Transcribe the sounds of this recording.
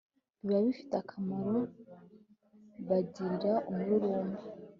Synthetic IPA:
iβaβifi̥takʰamaɾo | βaɟiɾiɾaʔumuɾuɾuːmɡu

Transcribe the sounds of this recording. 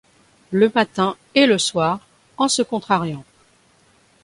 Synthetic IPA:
ləmat̪ɛ̃ | eləswaːʁ | ɑ̃səkɔ̃t̪χaʁjɑ̃

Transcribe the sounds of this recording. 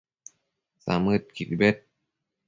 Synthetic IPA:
sa̰mɯt̪̚kʰit̪bet̪̚

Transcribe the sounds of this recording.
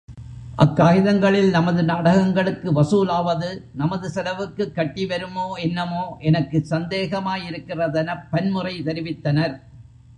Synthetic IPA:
ʔɐ̰kːaːɣɪðɐŋɡɐɭɪlnɐmɐðɯnaːɽɐɣɐŋɡɐɭɯkːɯʋɐsuːlaːʋɐðɯnɐmɐðɯsɐlɐʋɯkːɯkːɐʈːiʋɐɾɯmoːɛnːɐmoːʔɛnɐkːɯsɐnd̪eːɣɐmaːjɪɾɯkːɪrɐðɐnɐpːɐnmɯrɐɪt̪ɐɾɪʋɪt̪ːɐnɐɾ

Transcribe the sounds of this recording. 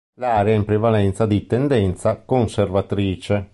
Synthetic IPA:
laːɾeaimpɾevalɛnt̪sad̪it̪end̪ɛnt̪sakonservat̪ɾiːt͡ʃe

